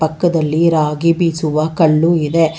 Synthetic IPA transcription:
pɐkːɐd̪ɐlːiɾaːɡibisuʋɐkɐɭːuid̪e

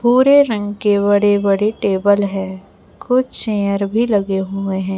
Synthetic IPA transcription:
puːɾeɾɐ̃ŋɡkebɐɽebɐɽeʈeːbəlɦɛː | kʊt͡ʃʃẽːjəɾbʱilɐɡeɦueɦɛ̃ː

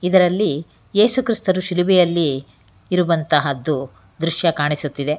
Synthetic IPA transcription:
id̪ɐɾɐlːi | jeːsukɾist̪ɐɾuʃiliʋɛjɐlːiː | ɾuʋɐnt̪ɐɦɐd̪ːu | d̪ɾuʃjɐkaːɳisut̪ːid̪e̞

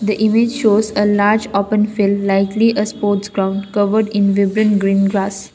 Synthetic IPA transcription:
d̪əʔɪmɪd͡ʒʃoːzəlaːɾd͡ʒɔːpə̃nfɪlːaɪkliʔəspoːɾʈsɡɾãʊ̃ɳɖkʌʋəɾɖɪ̃nʋɪbɾə̃nɡɾĩːnɡɾaːs

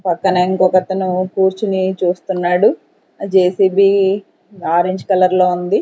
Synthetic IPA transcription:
pɐkːɐnɐiŋkɔːkɐt̪ɐnukuːɾt͡ʃinit͡ʃuːst̪unːaːɽu | d͡ʒeːsiːbiː | aːɾeːɲd͡ʒkɐlɐɾlo̞ːund̪i

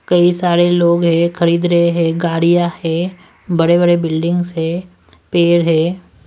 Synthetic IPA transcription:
kɐisaːɾeloːɡɦɛ̃xʰɐɾiːd̪ɾɐɦeɦɛ̃ːɡaːɽijahɛ̃ | bɐɽebəɽebɪlɖɪ̃ŋɡsɦɛ̃ | peːɾɦɛ̃ː

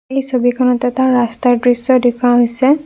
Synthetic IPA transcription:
ejsobikʰɔnɔtɛtaɹɹastaɹdɹisɔdikʰaɦojsɛ

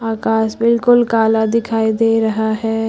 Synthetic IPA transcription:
aːkaːsbɪlkʊlkaːlad̪ɪkʰaːid̪eːɾɐɦaɦɛː

